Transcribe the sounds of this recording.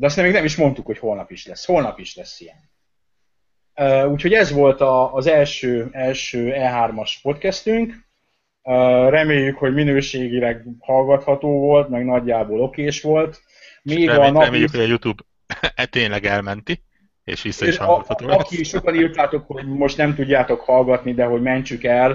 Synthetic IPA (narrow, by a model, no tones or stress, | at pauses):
d̪ɛs̬ɛmːeɡnɛmiʃmo̞n̪t̪ukho̞cho̞lnɒpiʃlɛsːho̞lnɒpiʃlɛsːijɛn | øːuːcho̞ɟɛzʋo̞lt̪ɒːzɛlʃøːɛlʃøːɛlɦaːrmɒʃpo̞t̪kɛst̪yŋk | øːrɛmeːjːykho̞ɟminøːʃeːɡilɛkhɒlɡɒt̪hɒt̪oːvo̞lt̪mɛɡnɒɟːaːboːlo̞keːʃʋo̞lt̪ | meːɡɒnɒɛmeːjykoɒjut̪uːb | t̪eːɲlɛɡɛlmɛnt̪i | ḛːʃʋisːiɒt̪ɒoɒkiʃo̞kɒnirt̪aːt̪o̞kho̞ɟmo̞ʃt̪nɛmt̪uɟːaːt̪o̞khɒlɡɒt̪nid̪ɛɦo̞ɟmɛɲt͡ʃykɛl